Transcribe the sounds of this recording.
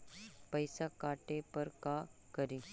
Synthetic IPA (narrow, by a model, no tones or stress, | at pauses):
pɐɪsakaːʈepɐɾkaːkɐɾĩː